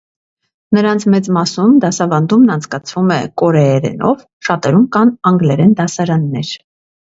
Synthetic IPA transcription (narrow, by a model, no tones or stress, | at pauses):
nəɾɑnt͡sʰmɛt͡smɑsumd̪ɑsɑvɑnd̪umnɑnt͡sʰkɑt͡sʰvumɛkɔɾɛːɾɛ̰nɔ̰v | ʃɑt̪ɛɾumkɑnɑŋɡlɛɾɛnd̪ɑsɑɾɑnːɛɾ